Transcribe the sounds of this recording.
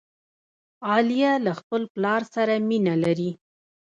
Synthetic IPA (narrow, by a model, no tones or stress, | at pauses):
ɑlijalaxpəlplɑɾsaɾaminalaɾi